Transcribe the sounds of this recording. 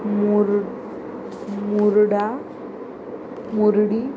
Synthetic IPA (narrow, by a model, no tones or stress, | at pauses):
muɾ | muɾɽa | muɾɽi